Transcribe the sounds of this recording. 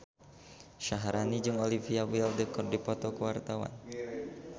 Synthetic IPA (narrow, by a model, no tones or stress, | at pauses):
ʃaɦaɾanid͡ʒuŋolifiawiɛldəkɔrdipɔt̪ɔkəwart̪awa̰n